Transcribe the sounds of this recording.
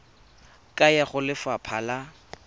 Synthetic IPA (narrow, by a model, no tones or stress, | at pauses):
kʼajaχʊlɪfapʰaːla